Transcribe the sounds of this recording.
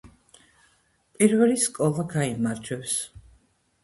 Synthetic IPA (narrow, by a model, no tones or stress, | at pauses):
pʼiɾvɛliskʼɔlˠaɡaimaɾd͡ʒɛps